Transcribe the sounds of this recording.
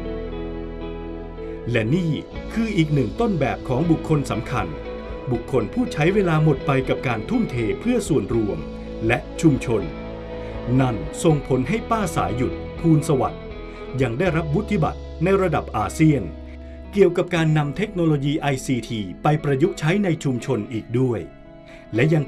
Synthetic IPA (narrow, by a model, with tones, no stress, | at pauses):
lɛ˦˥niː˥˩kʰɯː˧ʔiː˨˩k̚nɯ˨˩ŋt̪o˥˩nbɛː˨˩p̚kʰɔː˩˦ŋbu˨˩kʰːo˧nsa˩˦mkʰa̰˧n | bu˨˩kʰːo˧npʰuː˥˩t͡ɕʰa˦˥jweː˧laː˧mo˨˩t̪̚pa˧jka˨˩p̚kaː˧nt̪ʰu˥˩mt̪ʰeː˧pʰɯ˥˩əsu˨˩ənɾu˧əm | lɛ˦˥ʔt͡ɕʰu˧mt͡ɕʰo˧n | na˥˩nso˧ŋpʰo˩˦nɦa˥˩jpaː˥˩sa̰ː˩˦jːu˨˩t̪̚ | pʰuː˧nsa˧wa̰˨˩t̪̚ | ja˧ŋdaː˥˩jɾa˦˥p̚wu˦˥t̪ʰːi˦˥˩ba̰˨˩t̪̚na˧jɾa˧da˨˩p̚ʔaː˧si˥˩ən | ki˨˩əwka˨˩p̚kaː˧nːa˧mt̪ʰe˦˥k̚noː˧loː˧jiː˧ʔa˧jsiː˧t̪ʰiː˧pa˧jpɾa˧ju˦˥k̚t͡ɕʰa˦˥jna˧jt͡ɕʰu˧mt͡ɕʰo˧nʔiː˨˩k̚du˥˩əj | lɛ˦˥ja˧ŋ